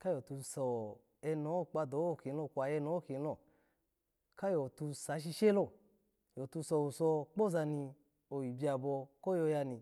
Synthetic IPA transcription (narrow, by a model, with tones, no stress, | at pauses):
ka˦jɔ˨tu˧sɔ˨ | ɛ˧nɔ˨˦˨k͡pa˧do˨˦o˦˨ki˨˦lɔ˧˨kʷa˨jɛ˧nɔ˨˦˨ki˨˦lɔ˦˨ | ka˦jɔ˨tu˧sa˨˦ʃ̬i˧ʃe˦lɔ˧˨ | jɔ˨tu˧sɔ˨wu˨sɔ˧k͡po˦za˧ni˧ | o˨ji˨bi˧˦a˧˨bɔ˧kɔ˦jɔ˧ja˧ni˨